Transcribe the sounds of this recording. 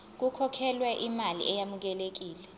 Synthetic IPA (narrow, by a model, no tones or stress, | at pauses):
k̬ukʰɔkʰɛlwɛʔimalḭʔɛjamuk̬ɛlek̬iːlɛ